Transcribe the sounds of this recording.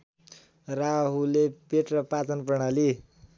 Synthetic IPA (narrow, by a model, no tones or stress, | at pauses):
raɦulepeʈrʌpat͡sʌnpʌɳ̃ali